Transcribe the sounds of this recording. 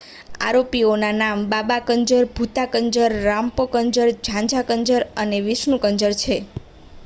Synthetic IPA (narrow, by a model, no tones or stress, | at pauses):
a̰ɾopionanambabakəɲd͡ʒəɾbʱut̪akəɲd͡ʒəɾːãmpokəɲd͡ʒəɾd͡ʒʱãɲd͡ʒʱakəɲd͡ʒəɾəneʋɪsnũkəɲd͡ʒəɾt͡ʃʰe